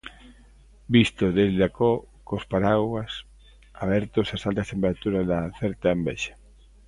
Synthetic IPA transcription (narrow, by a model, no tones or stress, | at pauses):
bist̪oðeld̪ako | kospaɾaɣas | aβ̞ɛɾt̪osasalt̪ast̪empeɾat̪uɾaðaθɛɾt̪aembɛ̰ʃḁ